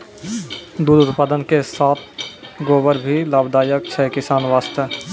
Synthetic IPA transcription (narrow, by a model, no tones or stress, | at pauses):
d̪uːd̪ʊt̪paːd̪ənkesaːt̪̚ʰɡoːbəɾbʱilaːbd̪aːjək̚t͡ʃʰɛkɪsaːnʋaːst̪ə